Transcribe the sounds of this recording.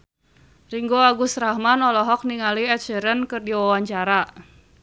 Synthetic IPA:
riŋɡoaɡusɾahmanɔlɔɦɔk̚niŋaliɛt̪̚t͡ʃəɾənkɨrdiwawaɲt͡ʃaɾa

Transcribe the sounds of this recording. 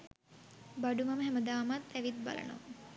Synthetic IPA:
baɖumaməɦæməd̪aːmat̪ːæʋit̪̚ba̰lə̰no̰

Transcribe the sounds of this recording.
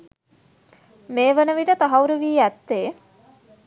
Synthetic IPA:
meːʋənəʋiʈət̪aɦɐuɾəʋiːæt̪ːeː

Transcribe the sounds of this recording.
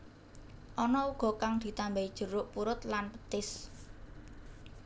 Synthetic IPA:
ʔɔnɔuɡ̥ɔ̤kaŋd̪̥i̤t̪ambaid̥ʒ̥ṳɾʊʔpuɾʊt̪lanpə̥t̪ɪs

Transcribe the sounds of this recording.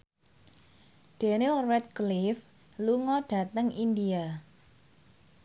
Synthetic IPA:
d̥enilrɛt̪̚klif | luŋɔɖ̥a̤t̪əŋindia

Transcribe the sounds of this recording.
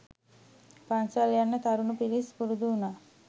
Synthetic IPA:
pɐnsaljanːɐt̪ɐɾunupiɾispuɾud̪uːna

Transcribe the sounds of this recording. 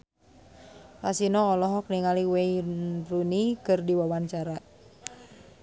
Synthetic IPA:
lasinɔːlɔɦɔk̚niŋaliweinrunikɨrdiwawaɲt͡ʃaɾa

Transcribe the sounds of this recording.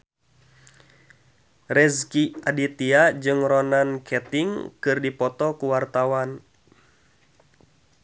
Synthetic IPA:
rɛskiadit̪iad͡ʒɨŋrɔnankʰɛt̪iŋkɨrdipɔt̪ɔkuwart̪awan

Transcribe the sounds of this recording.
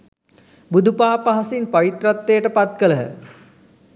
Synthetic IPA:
bud̪ʱupaːpaɦasinpaʋit̪rat̪ːejəʈəpat̪̚kələɦə̰

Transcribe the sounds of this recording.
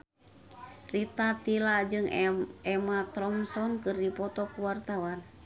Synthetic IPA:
rit̪at̪ilad͡ʒɨŋɛmat̪ɾɔmsɔnkɨrdipɔt̪ɔkuwart̪awan

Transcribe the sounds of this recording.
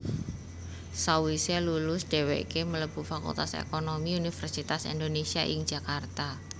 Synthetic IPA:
sawiselulʊsd̥ɛ̤wḛʔkemələb̥ṳfakṵlt̪asḛkonomiunifərsit̪asḭnd̪onesiaʔɪŋ̥d͡ʒ̥a̤kart̪a

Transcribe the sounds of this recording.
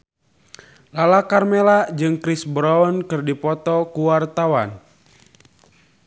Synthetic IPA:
lalakarmelad͡ʒɨŋkɾɪsbɾɔɔnkɨrdipɔt̪ɔkuwart̪awan

